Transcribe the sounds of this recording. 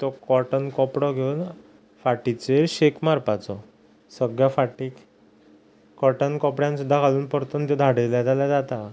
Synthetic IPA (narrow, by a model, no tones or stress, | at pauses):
t̪ɔkɔɾʈənkɔpɽɔɡʱewn | faʈit͡seɾɕekmaɾpat͡sɔ | səɡɭjafaʈiːk | kɔɾʈənkɔpɽjãnsud̪ʱːakaluːnpəɾt̪ont̪ɔd̪ʱaɽeljad͡z̪alad͡zat̪a